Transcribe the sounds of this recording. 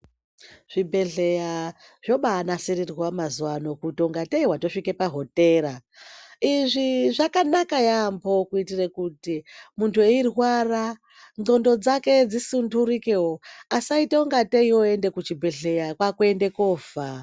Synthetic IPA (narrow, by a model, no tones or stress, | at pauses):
ʐ̥ibʱe̞ɮe̞ja | ʐ̥o̞ɓaːnasiɾirɣwamazuwano̞kutioŋɡateiwato̞ʂike̞paɦo̞te̞ɾa | iʐiʐakanakajambo̞kuitirekutimuntʰueirɦwara | ndo̞ndo̞d͡zake̞d͡zisunduɾikewoasaiteoŋɡateioe̞nde̞kut͡ʃibʱe̞ɮe̞jakwakuende̞koːva